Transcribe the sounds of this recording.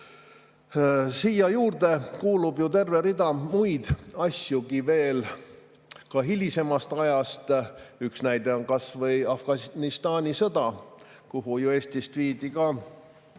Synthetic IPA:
siːjɑjuːrd̪̥e̞kuːlubjut̪e̞rve̞ɾid̪ɑmujd̪̥ɑsʲjuɡive̞ːl | kɑɦilʲise̞mɑst̪ɑjɑst̪yksnæjd̪e̞onkɑsvɤjɑfɡ̥ɑnist̪ɑːnʲisɤd̪ɑkuɦujue̞ːst̪ist̪viːd̪ikɑ

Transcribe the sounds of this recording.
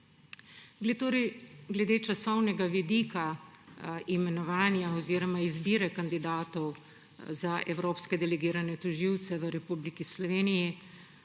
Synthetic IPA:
ɡt̪oɾiɡlɛd̪eːt͡ʃasɔwnɛɡaʋid̪iːka | imɛnɔʋaːnjaɔziːɾɔmaizbiːɾɛkand̪id̪aːt̪ɔw | zaʔɛwɾoːpskɛd̪ɛlɛɡiːɾanɛt̪ɔʒiwt̪sɛʋəɾɛpublikislɔʋeːniji

